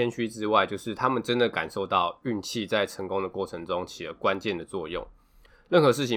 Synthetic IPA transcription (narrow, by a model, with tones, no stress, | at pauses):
ɛ˥nɕy˥ʈ͡ʂɻ̩˥wa˥˧ɪt͡ɕjo˥˧ʊʂɻ̩˥˩t̪ʰa˥mə˨nʈ͡ʂə˦˥nd̪ə˨ka̰˨˩nʂo˥˧ʊt̪ɑ˥˨ʊy˥˧nt͡ɕʰi˥˧t͡sa˥˩ɪʈ͡ʂʰə˧˥ŋkʊ˦ŋd̪ə˨kwɔ˥˩ʈ͡ʂʰə˧˥ŋʈ͡ʂʊ˥˦ŋt͡ɕʰi˨˩lə̰˧˦kwa˦nt͡ɕjɛ˥˩nd̪ə˩t͡swɔ̰˥˧jʊ̰˥˨˩ŋ | lə˥˩nxɤ˧˦ʂɻ̩˥˩t͡ɕʰi˨˩